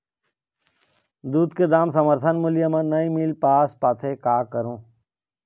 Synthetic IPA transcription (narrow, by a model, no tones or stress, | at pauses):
d̪uːd̪ked̪aːmsəməɾt̪ʰənmʊljəmãnəĩmiːlpaːspaːt̪ʰekaːkəɾõː